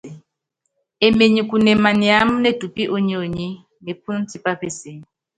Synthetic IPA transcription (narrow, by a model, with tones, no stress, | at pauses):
e˨me˨ɲi˨ku˨nɛ˨ma˨ni˨a˦m̩˦ne˦du˨pi˦ʔo˦ɲi˦o˨ɲi˦ | ne˨p̚ʰu˦n˦ti˦pa˦pe˦se˨